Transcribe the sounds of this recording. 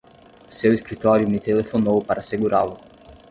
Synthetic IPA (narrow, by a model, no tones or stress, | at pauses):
sɛwiskɾit̪aɾiunit̪ʰɛlɛfɔnːɔvupaɾʔasɛɡuɾalɔ